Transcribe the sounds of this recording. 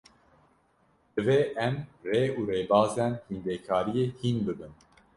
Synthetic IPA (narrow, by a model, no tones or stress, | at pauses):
d̪̥ɨveːʔɛmreːuːɾeːbɑːzɛnhind̪ɛːkʰɑːɾijeːhinbɨbɨn